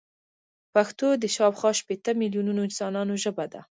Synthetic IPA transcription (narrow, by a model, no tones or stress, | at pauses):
paxt̪od̪əʃɑwxɑʃpet̪əmiljununoɪnsɑnɑnoʒəbad̪a̰